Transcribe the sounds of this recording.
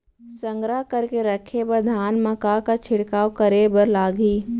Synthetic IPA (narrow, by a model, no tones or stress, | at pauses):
sə̃ŋɡɾaɦkəɾkeɾəkʰebəɾd̪ʱaːnmɐkakat͡ʃʰɪɽkaːwkəɾebəɾlaːɡiː